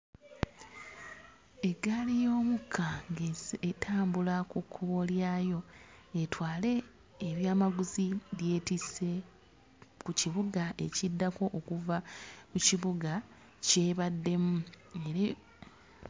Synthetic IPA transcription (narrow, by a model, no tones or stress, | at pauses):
e̞ɡalijo̞ːmukʰːaɡetʰaːmbulakukʰːuβo̞ljaːjo̞ | e̞twaːle̞ː | βjaːmaɡuziɾje̞ːtise̞ | kuciβuɡaʔe̞̰cidːako̞ʔːkuvakuciβuɡa | ce̞ːβadːe̞mu | eɾe